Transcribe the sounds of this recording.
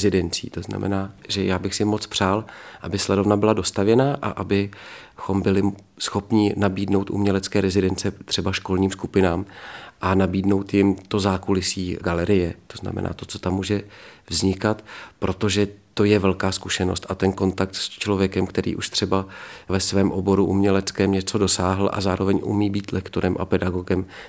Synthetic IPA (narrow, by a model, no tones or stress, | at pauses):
zɪdɛnt͡sḭːt̪o̞zna̰mɛ̰naːʒɛjaːbɪxsɪmo̞t͡spr̝̥aːlʔabɪslɛdo̞vnabɪlado̞st̪avjɛnaːʔa̰ʔabɪxo̞mbɪlɪ | sxo̞pɲɪnabiːdno̞wt̪ʔṵmɲɛlɛt͡skɛːɾɛzɪdɛnt͡sɛt̪r̥ɛbaʃko̞lɲiːmskupɪnaːmʔanabiːdno̞wt̪jɪmt̪o̞zaːkulɪsiːɡalɛɾɪjɛt̪o̞zna̰mɛ̰nʔa̰ːt̪o̞t͡so̞t̪amːuːʒɛvzɲɪkat̪pɾʔo̞t̪o̞ʒɛt̪o̞jɛvɛlkaːskuʃɛno̞st̪ʔat̪ɛnko̞nt̪ak̚t̪st͡ʃlo̞vjɛkɛmkt̪ɛɾḭːʔuʃt̪r̥ɛbavɛsvɛːmʔo̞bo̞ɾuʔumɲɛlɛt͡skɛːmɲɛt͡so̞dosaːɦl̩ʔa̰zaːɾo̞vɛɲʔṵmiːbiːt̪lʔɛkt̪oɾɛmʔa̰pɛdaɡo̞ɡɛm